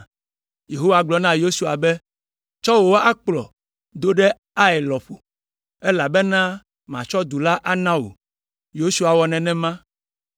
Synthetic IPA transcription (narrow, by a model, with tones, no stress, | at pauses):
je˨ɦo˦wa˨ɡ͡blɔ˨nã˦jo˦su˨a˨be˦ | t͡ʃɔ˦wo˨wo˦a˦k͡plɔ̰˨ | d̪o˦ɖe˦ | a˦ɛ˨lɔ˨ɸo˨ | e˦la˨bɛ˦nã˦ | m˨ã̰˨t͡ʃɔ˦d̪u˨la˦ʔa˦nã˦wo̰˨ | jo˦su˦a˨wɔ˨nɛ̃˨nɛ̃˦mã˦